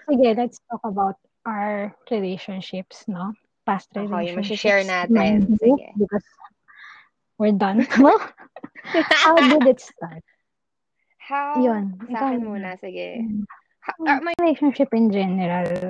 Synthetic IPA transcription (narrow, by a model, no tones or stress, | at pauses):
sɪɡɛlɛt̪st̪ɔkɐbawt̪̚ | ʔaɹɹɪlejʃɔ̃nʃɪpsno | past̪ɹɛlʃɛɹnamaibɪkɔs | wɪɹd̪ɐ̃nt̪ʰu | hawd̪ɪd̪ɪt̪st̪at̪̚ | hajʊnaunɐɪɡɛ̰ | leʃɔnʃɪpɪ̃nd͡ʒɛnɛɾɐl